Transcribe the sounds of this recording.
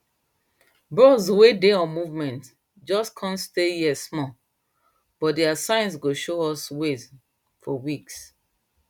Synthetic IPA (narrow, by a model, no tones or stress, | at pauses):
bɹɔswedeɔ̃muvmɛ̃nt | d͡ʒɔskʰɔ̃nstejɛsmɔ | b̥ɔt̚diasãɪ̃ns̬ɡoʃoɔswez | fɔwiks